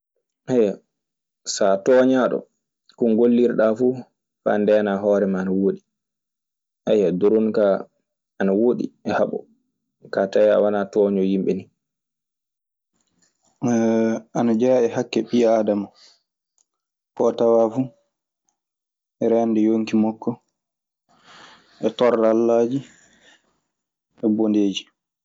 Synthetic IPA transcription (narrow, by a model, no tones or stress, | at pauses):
haja | satɔːɲaɗɔ̰ | kunɡolːiɾɗafu | fa̰ndɛnaɦɔːɾɛmaːnawoɗi | hajadoɾonka | anawoɗḭɛhaɓɔ̰ | kataja̰wanatɔːɲɔjimɓɛni | anad͡ʒaːɛhakːɛɓiaːdama | kɔːtawafu | ɛɾɛndɛjoŋkimɔkːɔ | ʔɛtɔɾalːad͡ʒi | ɛbondeːd͡ʒi